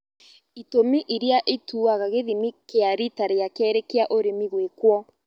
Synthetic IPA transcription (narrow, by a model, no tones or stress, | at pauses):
itomiʔiɾjaʔetuːaɣaɣeðimikeaɾitaɾejakɛːɾekeaʔoɾemiɣwekwɔ